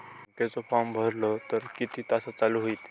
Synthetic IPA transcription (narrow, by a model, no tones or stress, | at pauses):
ŋket͡sɔfambʱəɾlot̪əɾkit̪ʰiːt̪asat͡saluɦoiːt̪